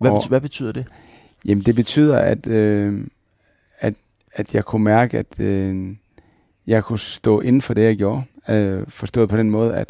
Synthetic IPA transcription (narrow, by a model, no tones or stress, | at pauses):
æʋæb̥et͡sʰy̰ːðˠd̥e | jemn̩d̥e̝b̥e̝t͡sʰy̰ːð̞̰ˠɐæd̥ø | æd̥ | æd̥jɑ̈ɪkʰumæɐɡ̥əæd̥ | jɑ̈ɪkʰusd̥ɔ̰̽ːʔe̝nn̩fɒ̽d̥e̝jɑ̈ɪɡjo̝ːɐ | fɒ̽sd̥ɔ̰ːð̩ˠpʰɒd̥enmɔ̽ːð̞̩ˠæd̥